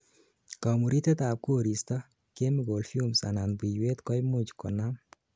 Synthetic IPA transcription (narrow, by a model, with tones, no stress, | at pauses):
kɔ˨mu˨ɾi˦t̪e˦t̪a˨p̚ko˦˨ɾi˨st̪a˦ | ke˦mɪ˦ɡo˨lfu˦msa̰˨na˨nbi˨jwe˦t̪kɔ˦jmʊ˦d͡ʒkɔ˨na˦m